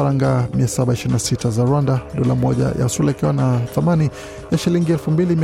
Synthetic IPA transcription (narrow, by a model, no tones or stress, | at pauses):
ɾaŋɡamiasaɓaiʃiɾinasitazaɾwandaɗɔlamɔʄa̰ja̰sulaikiwanaθamani | jaʃiliŋɡiɛlfumbilimi